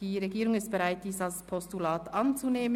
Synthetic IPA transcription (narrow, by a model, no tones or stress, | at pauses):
d̥iːʁeɡiːɾʊŋɪstb̥ɛʁaɪt̚d̥iːsalspʰɔstulaːtɑnt͡suneːmə